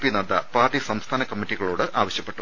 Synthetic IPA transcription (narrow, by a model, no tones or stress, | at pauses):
pinɐd̪ɐ̰paːrʈːisɐmst̪ʰaːnɐkɐmːitːiɣɐɭoːɽɨʔaːʋɐɕjɐpːe̞ʈːu